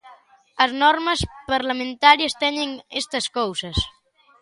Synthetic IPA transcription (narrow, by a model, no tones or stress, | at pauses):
ɐznɔɾmɐspɐɾlamẽnt̪aɾjɐst̪ɛɲeŋest̪ɐskowsɐs